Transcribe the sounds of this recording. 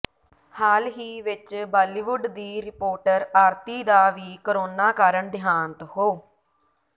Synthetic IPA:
haːlɦiːʋɪt͡ʃbaːliːʋʊɖd̪iːɾɪpoːɾʈəɾaːɾt̪iːd̪aːʋiːkəɾoːnaːkaːɾəɳd̪ʱɪjaːnt̪ɦoː

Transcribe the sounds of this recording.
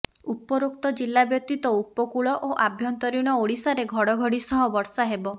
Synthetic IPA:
upɔɾok̚t̪ɔd͡ʒilːabjɔk̚t̪it̪ɔupɔkuɭɔʔoʔabʱjɔnt̪ɔɾiɽ̃ɔoɽisaɾeɡʱɔɽɔɡʱɔɽisɔɦɔbɔɾsaɦebɔ

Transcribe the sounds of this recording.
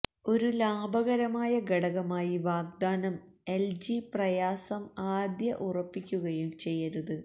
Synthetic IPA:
o̞ɾulaːbʱɐɣɐɾɐmaːjɐɡɐɽɐɣɐmaːjiʋaːɡ̚d̪aːnɐm | e̞ld͡ʑiprɐjaːsɐmaːd̪jɐʔurɐpːikʲːuɣɐjumt͡ɕe̞jːɐɾɐðɨ

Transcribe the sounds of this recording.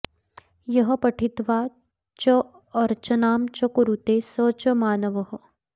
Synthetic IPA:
jɐɦɐ̆pɐʈʰit̪ʋaː | t͡ʃɐː | ɾt͡ʃɐnaːmt͡ʃɐkuɾut̪eːsət͡ʃɐmaːnɐʋɐɦɐ̆

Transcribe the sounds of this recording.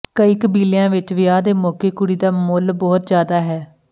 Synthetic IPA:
kəiːkəbiːlɪjãːʋɪt͡ʃʋɪjaːd̪eːmɔːkeːkʊɽiːd̪aːmʊlbɔːt̪d͡ʒjaːd̪aːɦɛː

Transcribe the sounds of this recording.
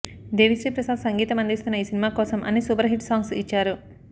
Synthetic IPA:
d̪eːʋisɾiːpɾɐsaːd̪sɐŋɡiːt̪ɐmɐnd̪ist̪unːɐiːsinimaːkɔːsɐmʔɐ̰nisubɐɾɦiʈsaːŋɡsit͡ʃːaːɾu

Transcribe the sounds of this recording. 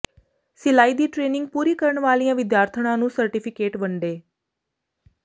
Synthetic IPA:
sɪlaːiːd̪iːʈɾeːnɪŋɡ̚puːɾiːkəɾəɳʋaːlijãːʋɪd̪jaːɾt̪ʰəɽ̃ãːnũːsəɾʈɪpʰɪkeːʈbəɳɖeː

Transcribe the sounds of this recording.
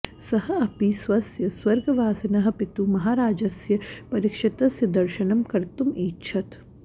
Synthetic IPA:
sɐɦɐɐpisʋɐsjɐswɐɾɡɐʋaːsɐnɐɦɐ̆pɪt̪umɐɦaːɾaːd͡ʒɐsjɐpɐɾikʃɪt̪ɐsjɐd̪ɐɾʃɐnɐmkɐɾt̪umiːtːʃʰɐt̪

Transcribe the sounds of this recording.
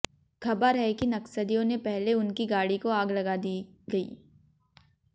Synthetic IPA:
kʰɐbəɾɦɛkinɐksəd̪ijõnepɛɦleʊnkiɡaːɽikoaːɡlɐɡad̪iɡɐḭː

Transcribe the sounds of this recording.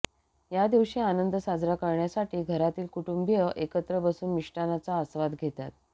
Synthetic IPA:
jad̪iʋɕiːanənd̪əsad͡zɾakəɾɳjasaʈʰiːɡʱəɾat̪iːlkuʈumbjəʔekət̪ɾəbəsuːnmiʂʈanat͡saəsʋad̪ɡʱet̪a̰t̪̚

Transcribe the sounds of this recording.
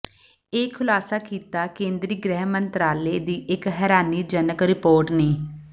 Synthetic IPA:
eːkʰʊlaːsaːkiːt̪aːkẽːnd̪ɾiːɡɾɛːɦmənt̪ɾaːleːd̪iːʔɪkɦɛːɾaːniːd͡ʒənəkɾɪpoːɾʈneː

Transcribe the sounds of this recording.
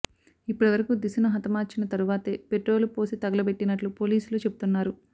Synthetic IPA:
ipːuɽiʋɐɾɐkud̪isɐnuɦɐt̪ɐmaːɾt͡ʃinɐt̪ɐɾuʋaːt̪eːpe̞ʈɾo̞ːlupo̞ːsit̪ɐɡɐlɐbeʈːinɐʈlupo̞ːliːsuloːt͡ʃe̞but̪unːaːɾu

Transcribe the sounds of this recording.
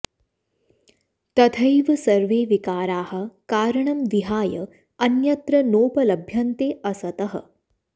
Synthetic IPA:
t̪ɐt̪ʰɐjʋɐsɐɾʋeːʋikaːɾaːhɐ̆kaːɾɐɳɐmʋiɦaːjɐ | ɐnjɐt̪ɾɐnoːpɐlɐbʱjɐnt̪eːʔɐsɐt̪ɐɦɐ̰

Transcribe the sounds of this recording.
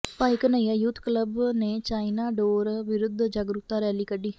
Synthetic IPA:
paːikənəiːaːjuːt̪kləbneːt͡ʃaːinaːɖoːɾʋɪɾʊd̪ʱd͡ʒaɡɾʊt̪aːɾɛːliːkəɖiː

